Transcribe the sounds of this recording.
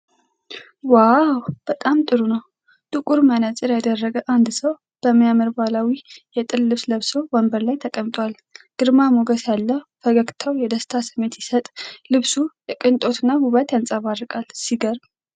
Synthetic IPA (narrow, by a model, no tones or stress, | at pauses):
wawb̥ət̪ʼamt̪ʼɨɾunəw | t̪ʼɨkʼuɾmənət͡sʼɨɾjad̪ərːəɡəʔand̪səw | b̥əmːijaməɾbalawijɛt̪ʼɨlːɨβsləβsobəmbəɾlajt̪ʰəkʼəmt̪ʼwal | ɡ̥ɨɾmamoɡəsjalːəfəɡəkt̪ʰawjɛd̪əst̪ʰasɨmːe̞t̪jɛsət̪ʼlɨβsujɛkʼɨnt̪ʼo̞t̪ɨnːabuβət̪jansʼaβarɨkʼalsiɡəɾb